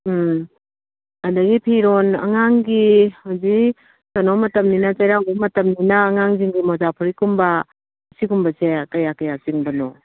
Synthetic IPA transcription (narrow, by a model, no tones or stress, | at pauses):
ɐdɐɡipʰiɾonɐ̰ŋaŋɡihawzi | kɐnomɐtɐmninɐt͡ʃɐjɾawbɐmɐtɐmninɐːŋaŋziŋɡimɔzapʰuɾikumbɐ | ɐsikumbɐsekɐjakɐjaziŋbɐnɔ